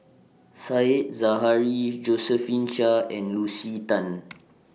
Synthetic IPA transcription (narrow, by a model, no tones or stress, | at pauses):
saet̚zaɦaɹid͡ʒosəfĩnt͡ʃaɛ̃nlusitãn